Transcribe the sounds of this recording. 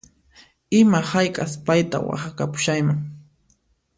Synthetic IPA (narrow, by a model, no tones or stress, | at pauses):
ɪmahajkʼaspajt̪a̰wa̰χakapʊ̥ʃajmaŋ